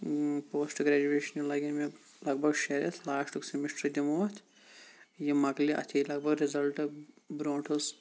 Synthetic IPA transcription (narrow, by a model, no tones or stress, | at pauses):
poːsʈɡɾɛd͡ʒueːʃɐnjilɐɡʲinme | lɐɡbʱɐɡʃɐɾɐt̪ʰlaːʂʈuksimiʂʈɾɐd̪ʲimoːt̪ʲʰ | jimɐɡliʔɐ̰t̪ʰiːlɐɡ̚bʱɐɡɾɪzɐlʈɐ | bɾoːɳʈʰɐs